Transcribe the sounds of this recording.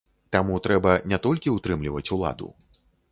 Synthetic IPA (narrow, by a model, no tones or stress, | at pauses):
t̪amut̪ɾɛbɐnʲɛt̪ɔlʲkʲiut̪ɾɨmlʲivɐt͡sʲulˠa̰d̪ṵ